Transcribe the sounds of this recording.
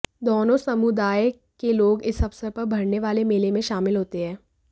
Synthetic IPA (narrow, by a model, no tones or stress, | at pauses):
d̪oːnõsɐmʊd̪aːj | keloːɡɪsɐfsəɾpɐɾbʱɐɽneʋaːlemeːlemẽʃaːmɪlɦoːt̪eɦɛ̃ː